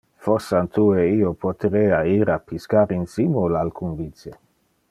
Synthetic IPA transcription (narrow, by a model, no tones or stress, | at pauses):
fosːant̪ʰueiopʰot̪eɾeːaiɾapiskaɾinsimolalkʰunvit̪t͡sje